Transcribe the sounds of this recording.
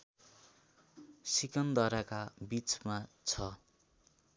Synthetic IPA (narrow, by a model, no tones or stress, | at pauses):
sikʌnd̪ʌɾakabit͡smat͡sʰʌ